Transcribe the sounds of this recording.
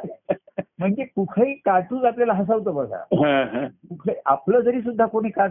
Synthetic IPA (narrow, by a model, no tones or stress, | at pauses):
m̤əɳd͡zekukʰəiːkaʈuːd͡zapljalaɦəs̬aʋt̪̬əːbəsa̰ɦãɦãkukʰəapləːd͡zəɾiːs̬ud̪ʱːakoɽ̃iːka